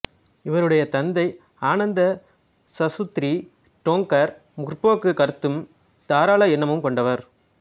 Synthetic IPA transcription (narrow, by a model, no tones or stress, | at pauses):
ɪʋɐɾɯɽɐjɐt̪ɐnd̪ɐɪ | aːnɐnd̪ɐ | sɐsʊt̪ɾi | ʈoːŋkɐɾ | mʊrpoːkːɯkɐɾɯt̪ːɯm | t̪aːɾaːɭɐɛnːɐmɯmkɔɳɖɐʋɐɾ